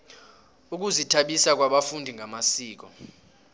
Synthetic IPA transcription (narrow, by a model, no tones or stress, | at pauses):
uk̬uzitʰaɓisak̬waɓafundʱiŋʱamasiːk̬ɔ